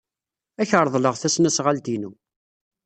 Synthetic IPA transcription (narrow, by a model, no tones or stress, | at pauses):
æçəɾˤðˤləʁθæsnæsʁald̪inṵ